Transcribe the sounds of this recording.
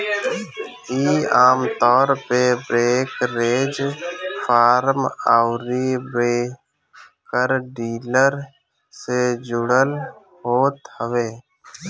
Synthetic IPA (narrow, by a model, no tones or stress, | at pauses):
iːaːmt̪ɔːɾpebɾeːkɾeːd͡ʒfʰaːɾmaʊɾibeː | kəɾɖiːləɾ | sed͡ʒʊɽəl | ɦoːt̪həʋeː